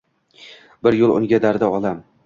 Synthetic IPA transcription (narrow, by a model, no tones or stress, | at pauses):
bɪɾjolˠʊ̰ŋɡʲad̪aɾd̪aɒlam